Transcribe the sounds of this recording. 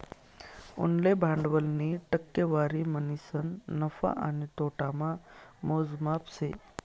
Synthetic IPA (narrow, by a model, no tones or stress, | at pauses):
ʊ̰nlebʱãːɳɖʋəlniʈəkːeʋaːɾimənisənːəfa̰ʔanet̪oːʈamãmoːzmapse